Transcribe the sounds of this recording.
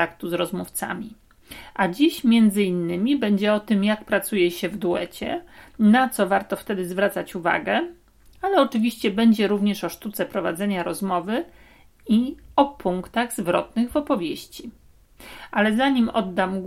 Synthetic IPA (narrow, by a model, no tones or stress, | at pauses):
akt̪uzɾɔzmuft̪sa̰mʲi | ʔad͡ʑiɕmʲjɛnd̪zɘinːɘmʲibɛɲd͡ʑɛɔt̪ɘmjak̚pɾat̪sujɛɕɛvd̪uɛ̰t͡ɕɛ̰nat̪sɔvaɾt̪ɔft̪ɛd̪ɘzvɾat̪sat͡ɕuva̰ɡɛ | alɛɔt͡ʂɘvʲiɕt͡ɕɛbɛɲd͡ʑɛɾuvɲɛʂɔʂt̪ut̪sɛpɾɔvad̪zɛɲaɾɔzmɔvɘ | iɔpʰuŋkt̪aɣzvɾɔt̪̚nɘɣvɔpɔvʲjeɕt͡ɕi | alɛzaɲimɔ̰d̪ːamɡ